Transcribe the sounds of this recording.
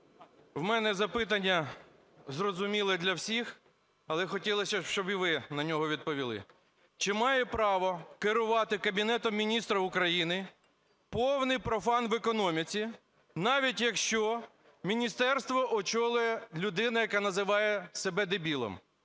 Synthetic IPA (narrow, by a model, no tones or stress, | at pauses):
wmɛnɛzɐpɪt̪̬ɐnʲːɐ | zrɔzʊmʲilˠɛd̪lʲɐwsʲix | ɐlˠɛxɔtʲilˠɐsʲɐʃt͡ʃɔbiʋɪnɐnʲɔɦɔʋʲid̪̚pɔʋʲilˠɪ̰ | t͡ʃɪmɑjɛpɾɑʋɔkɪɾʊʋɑt̪ɪkɐbʲinɛt̪ɔmːʲinʲist̪ɾɐʊkɾɐjinɪ | pɔwnɪjpɾɔfɑnʋekɔnɔmʲit͡sʲi | nɑʋʲitʲjɐkʃt͡ʃɔ | mʲinʲist̪ɛrst̪ʋɔʔɔt͡ʃɔlˠʊjɛlʲʊd̪ɪnɐjɐkɑnɐzɪʋɑjɛsebɛd̪ebʲilˠɔ̰m